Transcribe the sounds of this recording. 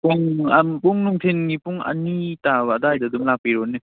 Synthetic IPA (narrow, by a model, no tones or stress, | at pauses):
puŋampuŋnuŋtʰenŋipuŋa̰nitabdajdadɯmlapiɾoni